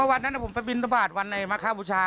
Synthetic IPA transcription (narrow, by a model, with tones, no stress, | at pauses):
ɯ˥˩˨wa˧nːa˦˥na˧˥˩pʰo˩˦mpa˧jbi˧nɾa˧baː˨˩t̪̚wa˧nːa˧jma˦˥˩kʰaː˦˥˩buː˧t͡ɕʰaː˧